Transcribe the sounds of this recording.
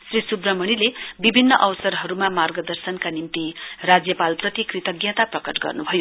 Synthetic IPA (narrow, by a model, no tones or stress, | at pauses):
srisubrʌmʌñilebibʱinːʌʔʌwsʌɾɦʌɾumamarɡʌd̪ʌrsʌnkanimt̪irad͡zjʌpalprʌt̪ikrit̪ʌɡjʌ̃t̪aprʌkʌʈɡʌ̰rnubʱʌjo